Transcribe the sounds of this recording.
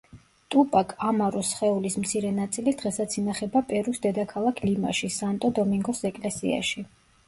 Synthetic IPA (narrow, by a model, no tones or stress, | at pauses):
t̪ʼupʼakʰamaɾusχɛulismt̪sʰiɾɛnat̪sʼilid̪ʁɛsat̪sʰinaχɛbapʼɛɾusd̪ɛd̪akʰalˠakʰlima̰ʃisant̪ʼɔd̪ɔmiŋɡɔsɛkʼlɛsḭa̰ʃi